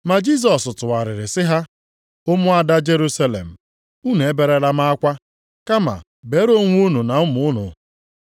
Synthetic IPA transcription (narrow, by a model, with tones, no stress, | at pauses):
ma˨d͡ʒi˦s̬ɔ˨sʊ˨tʊ˨a˨ɾɪ˨ɾɪ˨sɪ˦ɦa˦ | o˦mʊ˦a˦da˦d͡ʒe˦ɾu˦sa˦lḛ˨m̩˨ | u˦ne˨e˦be˨ɾe˦ɾa˦ma˦a˦kʷa˦ | ka˦ma̰˨ | be˨˦ɾo˦ŋʷ˦u˦nu˨na˨ʊ˦mʊ˨ʊ˦nʊ̰˨